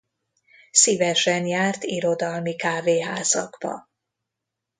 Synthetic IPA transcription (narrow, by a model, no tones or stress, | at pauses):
sivɛʃɛnjaːrt̪iɾo̞d̪ɒlmikaːveːɦaːzɒɡbɒ̰